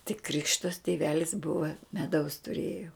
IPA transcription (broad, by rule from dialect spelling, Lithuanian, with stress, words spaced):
tʲɪk ˈkrʲɪkʃtɐs tʲɪˈʋʲæːlʲɪs ˈbʊʋɐ mʲɛˈdɐʊs tʊˈrʲeːjoː